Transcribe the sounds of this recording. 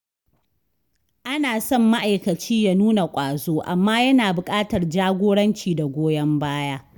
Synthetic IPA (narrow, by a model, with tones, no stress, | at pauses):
ʔa˦naː˨sɔ˦˨mːa˦ʔa˨jkɐ˨t͡ʃiː˦ja˦nuː˦na˨kʷʼaː˨zoː˦ʔa˨mːaː˦jɐ˦naː˨bʊ˨kʼaː˦tɐ˨rd͡ʒaː˦ɡʷoː˦ɽɐ˦nt͡ʃiː˨da˨ɡʷoː˦jɐ˦mbaː˦jaː˦